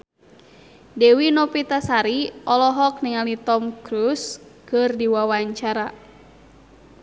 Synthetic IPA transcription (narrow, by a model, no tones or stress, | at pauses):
dɛwinɔpit̪asaɾiɔlɔɦɔk̚niŋalit̪ɔmkɾuskɨrdiwawaɲt͡ʃaɾa